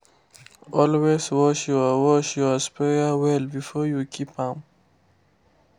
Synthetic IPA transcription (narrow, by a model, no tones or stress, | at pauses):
ʔɔlweswɔʃjɔwɔʃjɔspɛawɛlbifɔjukʰipãm